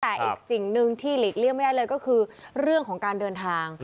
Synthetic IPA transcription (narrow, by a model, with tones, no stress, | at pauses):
t̪ɛː˨˩ʔiː˨˧˩k̚si˨˩ŋnɯ˧ŋt̪ʰiː˥˩liː˨˩k̚li˥˩ma˥jdaː˥˩jlɤː˧jkɔː˥˩kʰɯː˧ɾɯ˥˩əŋkʰɔː˩˦ŋkaː˧ndɤː˧nt̪ʰaː˧ŋ